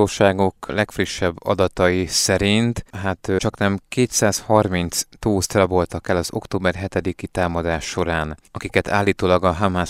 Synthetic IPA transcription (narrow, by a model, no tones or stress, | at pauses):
oːʃaːɡo̞klɛkfriʃːɛbːɒ̰d̪ɒt̪ɒjisɛɾint̪ɦat̪t͡ʃɒknɛmkeːt̪saːshɒrmint̪st̪uːst̪rɛbo̞lt̪ɒkɛlːɒzo̞̰kt̪oːbɛrɦɛt̪ɛd̪ikit̪aːmɒd̪aːʃːo̞ɾaːnɒkikɛt̪ʰaːlːiːt̪oːlɒɡɒɦamaː